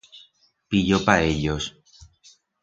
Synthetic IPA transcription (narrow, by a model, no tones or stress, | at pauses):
piʎopaeʎos